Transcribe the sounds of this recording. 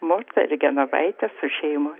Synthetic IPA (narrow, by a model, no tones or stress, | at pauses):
moɾt̪ɐɪɾɡʲɛnɐʋɐ̰ɪt̪ʲɛsʊʃʲɛɪmʊ